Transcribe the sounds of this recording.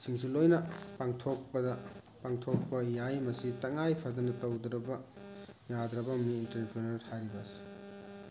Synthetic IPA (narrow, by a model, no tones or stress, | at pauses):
siŋsilojnɐpaŋtʰok̚pɐdɐ | paŋtʰok̚pɐjajmɐsitɐŋajpʰɐdɐnɐtɐwd̪ɾɐbɐjad̪ɾɐbɐmniːnteɾpʰɾenɐɾhaɾibɐsi̥